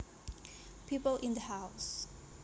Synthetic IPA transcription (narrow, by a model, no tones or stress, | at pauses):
pʰipəlʔɪ̃nd̪əhaʊs